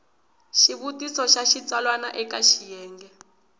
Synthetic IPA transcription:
ʃiβutisɔʃaʃit͡salwana̰ʔɛkaʃijɛːŋɡɛ

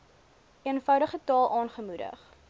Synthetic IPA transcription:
iənfœwdəχətɑːlˠʔɑːnχəmudə̰χ

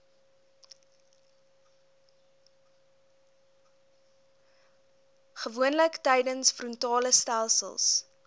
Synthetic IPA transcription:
χəvuənləktɛjdənsfrɔntɑːləstælˠsə̰lˠs

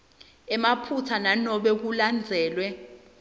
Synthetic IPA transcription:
ɛmapʰut͡sʰananɔɓɛk̬uland͡zʱɛːlwɛ

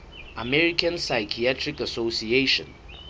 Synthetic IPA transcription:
əmɛɹikə̃nsajkʰiɛtʰɹikəsosieʃə̰̃n

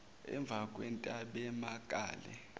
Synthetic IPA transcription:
ɛ̰ɱb̪vʱakʼwɛntʼaɓɛmakʼaːlɛ̰

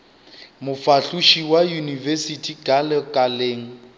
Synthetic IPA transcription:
mʊfaɬuʃiwajunivɛsitʰiɡalɛkʼaleːŋ̩

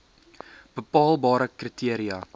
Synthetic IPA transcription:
b̥əpɑːlˠbɑːɾəkritʰiəɾiɐ

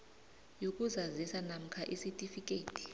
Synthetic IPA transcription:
jok̬ʼuzazisanam̩kʰaʔisitʼifik̬ʼeːtʰʼi̥

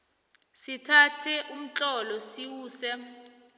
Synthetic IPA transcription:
sitʰatʰɛʔum̩t͡ɬɔlɔsiwuːsɛ

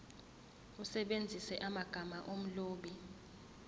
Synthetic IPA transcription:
usɛɓend͡zʱisɛʔamaɡ̥ʱamaʔom̩loːɓi

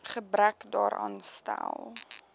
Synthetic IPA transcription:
χəbɾækdɑːɾʔɑːnstælˠ

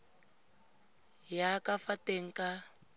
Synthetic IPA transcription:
jakafateŋ̩ka

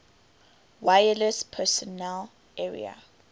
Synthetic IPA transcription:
wajələspʰɛsɔnɛl | ʔɛɹḭa̰

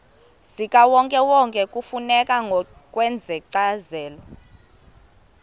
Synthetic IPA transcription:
sikʼawɔŋkʼɛwɔŋkʼɛkʼufunɛkʼaŋɔkʼwɛnd͡zʱɛǀazɛːlɔ

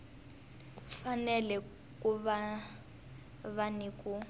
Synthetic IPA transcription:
fanɛlɛ | kʼuβa | βaniːkʼu

